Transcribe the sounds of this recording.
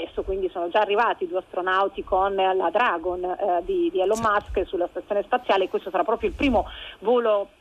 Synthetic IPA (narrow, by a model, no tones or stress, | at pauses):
ɛst̪okwind̪isoːnod͡ʒaːrːivaːt̪id̪ueast̪ɾonawt̪ikonlad̪ɾaɡond̪id̪ialomːaskəsulast̪at̪sjoːnespat̪sːjaːlekːwest̪osaɾapːɾɔːpɾjoilpɾiːmovoːlo